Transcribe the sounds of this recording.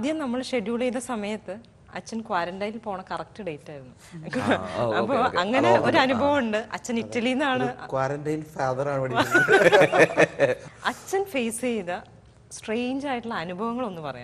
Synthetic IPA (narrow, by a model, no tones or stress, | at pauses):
d̪jɐmnɐmːɐɭɕeɖjuːɭejðɐsɐmɐjɐt̪ːɨ | ɐ̰t͡ɕːɐnkwaːɾɐndɐjnilpo̞ːɳɐkɐrɐk̚ʈɨɖe̞jtːaːjiɾunːu | ɐɐɐpːoːɐŋːɐneoɾuɐnubʱɐʋɐmuɳɖɨʔɐ̰t͡ɕːɐnitːɐlijnːaːɳɨkwaːɾɐndɐjlfaːðɐɾaːɳɨʋɐɽi | ɐt͡ɕːɐnfejsejðɐ | sʈrejɲd͡ʑaːjiʈːuɭːɐːnubʱɐʋɐŋːɐɭo̞nːɨpɐrɐ̰ja̰ː